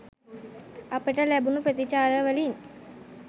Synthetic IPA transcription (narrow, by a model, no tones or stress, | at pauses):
apəʈəlæbunupɾət̪it͡ʃaːɾəʋəlin